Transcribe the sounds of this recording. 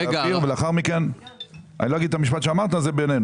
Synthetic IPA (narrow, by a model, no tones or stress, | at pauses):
iʁveleaχaʁmiken | a̰niloaɡid̪̚t̪amiʃ̬pat̪ʃeamaʁt̪azebenenu